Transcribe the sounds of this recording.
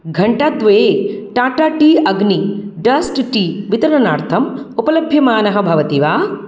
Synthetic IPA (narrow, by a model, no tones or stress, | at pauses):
ɡʱɐɳʈat̪ʋeːʈaːʈaːʈiːɐɡniɖɐsʈʈiːʋit̪ɐɾɐnaːɾt̪ʰɐmupɐlɐbʱjɐmaːnɐɦɐbʱɐʋɐt̪iʋaː